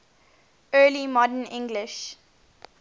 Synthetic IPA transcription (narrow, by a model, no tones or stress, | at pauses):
ɜːlimɔdənɪ̃ŋɡlɪʃ